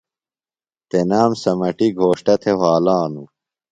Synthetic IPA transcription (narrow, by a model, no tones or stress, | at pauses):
t̪enaːmsɐmɐʈiɡʱoːʂʈɐt̪ʰewaːlaːnu